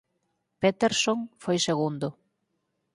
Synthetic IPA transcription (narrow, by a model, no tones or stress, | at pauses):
pet̪eɾsoŋfojseɣund̪ʊ